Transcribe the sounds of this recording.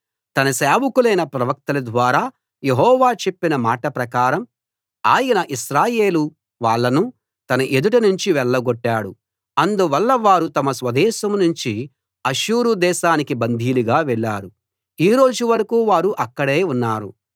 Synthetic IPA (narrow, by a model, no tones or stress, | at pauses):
t̪ɐnɐsaːʋukulɐjnɐpɾɐʋɐk̚t̪ɐlɐd̪ʋaːɾaː | je̞ɦɔːʋaːt͡ʃe̞pːinɐmaːʈɐpɾɐkaːɾɐm | aːjɐnɐʔiʃɾaːjeːlu | ʋaːɭːɐnu | t̪ɐnɐʔe̞d̪uʈɐnuɲt͡ʃiʋɛɭːɐɡoʈːaːɽu | ɐnd̪uʋɐlːɐʋaːɾut̪ɐmɐsʋɐd̪ɛːʃɐmnuɲt͡ʃi | ɐʃuːɾud̪ɛːʃaːnikibɐnd̪ʱiːluɡaːʋɛɭːaːɾu | iːɾo̞ːd͡ʒuʋɐɾɐkuːʋaːɾuʔɐkːɐɽe̞ːunːaːɾṵ